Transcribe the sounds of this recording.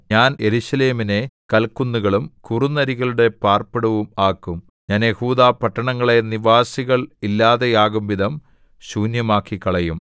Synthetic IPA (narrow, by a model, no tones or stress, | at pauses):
ɲaːne̞ɾuɕɐle̞ːmine̞kɐlkːunːuɣɐɭumkurunːɐɾiɣɐɭuɽe̞paːrpɐɽɐʋumaːkːum | ɲaːnjehuːd̪aːpɐʈːɐɳɐŋːɐɭe̞niʋaːsiɣɐɭilːaːðe̞jaːɣumʋiðɐm | ɕuːnjɐmaːkːikːɐɭɐjum